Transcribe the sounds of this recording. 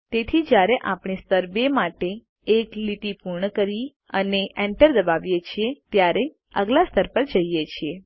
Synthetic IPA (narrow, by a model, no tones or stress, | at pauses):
t̪et̪ʰid͡ʒjaɾeʔapɳ̃ist̪əɾbemaʈe | eklit̪ipuɾɳəkəɾi | əneʔeɳʈəɾd̪əbaʋjet͡ʃʰiet̪jaɾe | ə̰ɡlast̪ʰəɾpəɾd͡ʒəjjet͡ʃʰie